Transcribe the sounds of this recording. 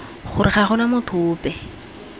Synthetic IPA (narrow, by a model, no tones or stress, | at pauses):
χʊrɪχaχʊnamʊtʰʊːpɛ